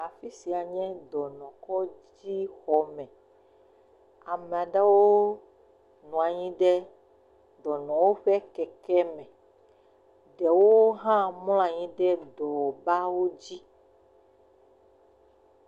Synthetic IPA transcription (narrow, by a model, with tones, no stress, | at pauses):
a˨fi˦si˨a˨ɲɛ̃˦d̪ɔ˨nɔ̃˨kɔ˦ | d͡ʑi˦xɔ˨mɛ̃˨ | a˨mɛ̃˨a˨ɖa˦wo˦ | nũ˨a˨ɲĩ˦ɖɛ˦ | d̪ɔ˨nɔ̃˨wo˦ɸɛ˦kɛ˨kɛ˦mɛ̃˨ | ɖɛ˨wo˦ɦã˦ml̃ɔ̃˦a˨ɲĩ˦ɖɛ˦d̪ɔ˨ba˦wo˦d͡ʑi˦